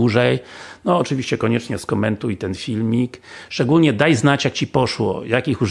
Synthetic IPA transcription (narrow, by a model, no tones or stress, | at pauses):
uʐɛjnɔːt͡ʂɨvʲiɕt͡ɕɛkɔɲɛt͡ʂɲɛskɔmɛnt̪ujt̪ɛnfʲilmʲikʂt͡ʂɛɡulɲɛd̪ajznat͡ɕjakt͡ɕipɔʂwɔ̰jakixuʐ